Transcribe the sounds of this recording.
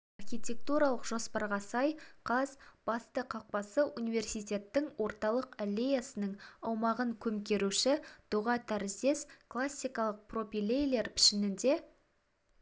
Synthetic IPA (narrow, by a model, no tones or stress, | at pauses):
ɑrχʲijt̪ʲe̞k̚t̪uɾɑlˠəqʒo̞spɑɾʁɑsɑjqʰɑzb̥ɑst̪əqʰɑq̚pɑsəʔunijve̞rsijt̪ʲe̞t̪ːɪŋwo̞ɾt̪ɑlˠəqælʲːe̞jasənəɴɑwmɑʁəŋkʲʰɵmkʲe̞ɾuʃɪd̪̥ʊʁɑt̪ʰæɾɪzd̪e̞sklˠasʲːijkɑlˠəq̚pro̞fʲilʲejle̞ɾpʰɪ̥ʃɪnɪnd̪e̞